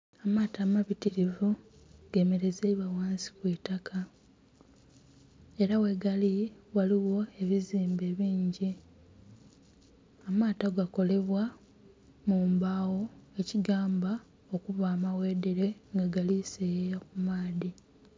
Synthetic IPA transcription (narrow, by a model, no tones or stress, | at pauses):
amaːtaːmaβitiɾivu | ɡ̥e̞me̞ɾe̞zeβawaːnsi̥kweːtakʰa | e̞ɾawe̞ɡaliwaliwo̞e̞βiziːmbe̞ːβiːɲɟi | amaːtaɡako̞le̞βwa | muːmbaːwo̞e̞ciɡaːmba | o̞kuβaːmawe̞ːde̞ɾe̞ŋɡaɡalisejejakumaːði